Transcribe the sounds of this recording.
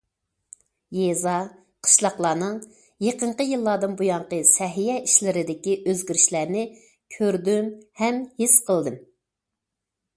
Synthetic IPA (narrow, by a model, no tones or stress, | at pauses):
jezɑ | qʰə̥ʃlˠɑχlˠɑːnɨŋ | jeqəɴqəjɨlˠːɑd̪ɨnbujɑɴqəsɛɦijɛiʃlɪɾɪd̪ɪkʲiʔøzɡʲyɾiʃlæɾnɪ | kʲʰøɾd̪ymhɛmhisqʰəlˠd̪ɨm